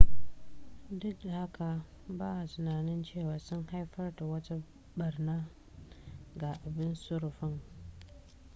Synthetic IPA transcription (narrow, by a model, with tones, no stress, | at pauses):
dʊ˦k̚da˨ha˦ka˨ | baː˦a˨tɪ˨naː˨nɪ˦nt͡ʃeː˦˨waː˨sʊ˦ŋha˦jɸɐ˦rta˨wɐ˦ta˦ | ɓɐ˨rnaː˦ | ɡa˨ʔa˨bɪ˦nsʊ˦ɾʊ˨ɸɪ˦ŋ